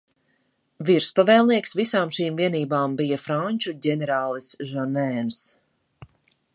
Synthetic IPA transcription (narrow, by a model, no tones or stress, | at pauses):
viɾspavɛːlˠniɛksvisaːmʃiːmviɛniːbaːmbijafɾaɲʲt͡ʃuɟʲɛnɛɾaːlˠisʒɔnɛːns